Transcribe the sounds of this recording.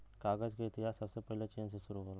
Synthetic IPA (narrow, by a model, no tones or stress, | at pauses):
kaːɡəd͡ʒkeɪt̪ɪɦaːsːɐbsepɛɦlet͡ʃeːnseʃʊɾuɦoːl